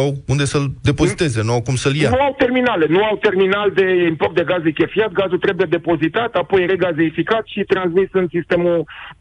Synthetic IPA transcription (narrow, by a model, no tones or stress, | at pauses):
awund̪e̞səld̪e̞poit̪e̞zenuawkumsəljanuawt̪e̞rminale̞nuawt̪e̞rminald̪e̞import̪d̪e̞ɡazejkʲefiat̪̚ɡazult̪ɾe̞bujed̪e̞po̞zit̪at̪apo̞jɾeɡazeifikat̪ʃit̪ɾansmisɨnsist̪e̞mu